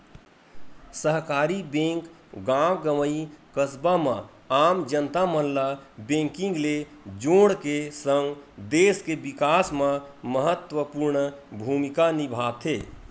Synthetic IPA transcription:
səɦkaɾibẽŋk | ɡãwɡəməikəsbamə̃ | amd͡ʒənt̪amənlabẽŋkĩŋɡle | d͡ʒõɽkesəŋɡd̪eskebikasməməɦət̪wəpuɾɳbʱumikanibʱat̪ʰe

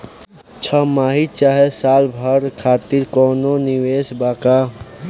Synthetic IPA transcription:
t͡ʃʰəmaɦit͡ʃaɦesaːlbʱəɾkʰaːt̪iɾkɔnoniwesbaka

